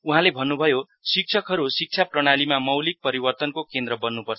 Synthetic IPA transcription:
uɦãlebʱʌnːubʱʌjo | sik̚t͡sʰʌkɦʌɾusik̚t͡sʰaprʌɽ̃alimamʌwlik̚pʌɾibʌrt̪ʌnkokend̪ɾʌbʌnːupʌrt͡sʰʌ

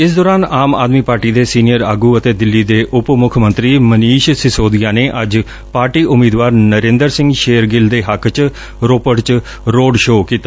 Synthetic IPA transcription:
ɪs̬d̪ɔːɾaːnaːma̰ːd̪miːpaːɾʈiːd̪eːsiːnijəɾaːɡuːət̪eːd̪ɪlːiːd̪eːʔʊpmʊkʰmənt̪ɾiːməniːʃsɪsoːd̪ɪjaːneːʔəd͡ʒ | paːɾʈiːʔʊmiːd̪ʋaːɾnəɾẽːnd̪əɾsɪ̃ŋɡʃeːəɾɡɪld̪eːɦəkʰt͡ʃ | ɾoːpəʈt͡ʃ | ɾoːɖʃoːkiːt̪aː

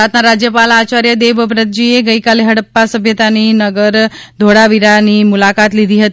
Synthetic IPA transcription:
at̪naɾad͡ʒjəpalat͡ʃaɾjəd̪eʋbɾət̪̚d͡ʒieɡəikaleɦəɽəpːasəbʱjət̪aninəɡəɾ | d̪ʱoɽaʋiɾanimulakat̪lid̪ʱiɦət̪

